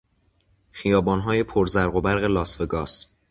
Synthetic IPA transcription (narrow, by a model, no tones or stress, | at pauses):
xijɒːbɒːnɦɒːje̞pʰoɾzæɾɣo̞bæɾɣelɒːsfeɡɒːs